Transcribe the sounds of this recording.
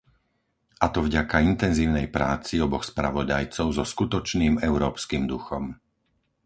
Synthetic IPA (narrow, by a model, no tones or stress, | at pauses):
ʔat̪ɔvɟakaint̪ɛnziːʊnɛjpɾaːt͡siɔbɔxspɾa̰ʋɔd̪ajt͡sɔʊzɔskut̪ɔt͡ʃniːmɛʊɾɔːpskiːmd̪uxɔm